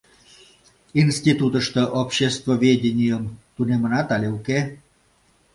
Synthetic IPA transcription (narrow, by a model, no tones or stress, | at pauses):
inst̪ʲit̪ut̪əʃt̪əʔopɕest̪vovʲedʲenʲijəmt̪unemə̆nɑt̪ɑlʲeuke